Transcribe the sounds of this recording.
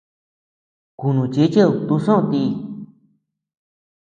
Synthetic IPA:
ku˨nũ˨t͡ʃe˧˦t͡ʃe˦u˧t̪u˧ʂõ˦˧t̪i˧

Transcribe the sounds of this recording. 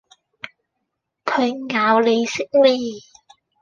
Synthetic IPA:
kʰɵ˨˧ɥŋaː˨˧wle˨˧jsɪ˥k̚le˧˩

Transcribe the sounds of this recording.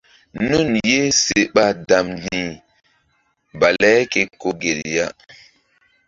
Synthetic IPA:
nu˦˨nje˦se˨ɓa˦da˨mdĩ˨ | ba˨lɛ˦ke˨ko˨ɡe˨lja˦

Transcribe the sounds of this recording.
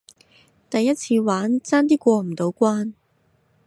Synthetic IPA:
t̪ɐ˨jːɐ˥t̚t͡sʰiː˧waː˨˥nt͡saː˥nt̪iː˥kʷɔː˧m̩˨˩t̪o˨˥wkʷaː˥n

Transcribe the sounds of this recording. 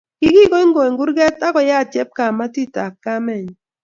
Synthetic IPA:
ki˦ɡi˦kɔ˦i˦ŋɡo˨ŋɡu˦ɾɡɛ˦ta˦kɔ˨ja˦˨t͡ʃɛ˦p̚ka˨ma˦ti˦ta˨kka˦mɛ˨ɲ

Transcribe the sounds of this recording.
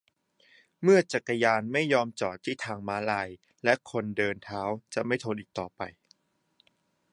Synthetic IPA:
mɯ˥˩ɐt͡ɕa˨˩kːa˧jaː˧nma˥˩jːɔː˧mt͡ɕɔː˨˩t̪ʰːiː˥˩t̪ʰaː˧ŋmaː˦˥laː˧j | lɛ˦˥ʔkʰo˧ndɤː˧nt̪ʰaː˦˥wt͡ɕa˨˩ʔma˥˩jt̪ʰoː˧nʔiː˨˩k̚t̪ɔː˨˩pa̰˧j

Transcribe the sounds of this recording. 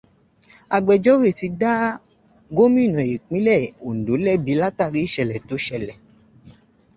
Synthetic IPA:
a˨ɡ͡bɛ˨d͡ʒɔ˦we˦˨ti˧da˦ | ɡo˦mĩ˦˨nɔ̃˨e˨k͡pĩ˨˦lɛ˦˨o˨n̩˨do˨˦lɛ˦˨bi˨˦la˦ta˦˨ɾi˨˦˨ʃɛ˧˨lɛ˨to˨˦ʃɛ˧˨lɛ˨

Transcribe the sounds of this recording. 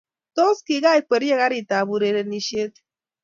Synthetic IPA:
t̪o˦ski˨ɣa˦jpə˨ɾje˦ɣa˦ɾi˨t̪a˨bu˨ɾe˨ɾe˧ni˧ʃe˦t̪

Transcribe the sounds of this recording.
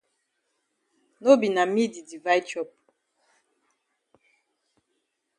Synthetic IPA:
no˦bi˨na˨mi˦di˨di˨va˦jt͡ʃɔ˦p̚

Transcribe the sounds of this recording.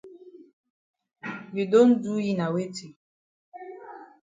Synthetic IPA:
wi˨do˦n̩˦du˦ji˦na˨we˦ti˨

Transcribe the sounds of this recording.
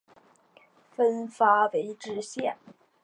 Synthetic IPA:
fə˥nfa˥we˧˥ɪʈ͡ʂɻ̩˥ɕjɛ˥˩n

